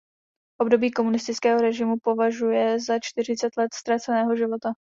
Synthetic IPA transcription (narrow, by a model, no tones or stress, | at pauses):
ʔo̞bdo̞biːko̞munɪst̪ɪt͡skɛːɦo̞ɾɛʒɪmupo̞vaʒujɛzat͡ʃt̪ɪr̝ɪt͡sɛt̪lɛt̪st̪ɾat͡sɛnɛːɦo̞ʒɪvo̞t̪a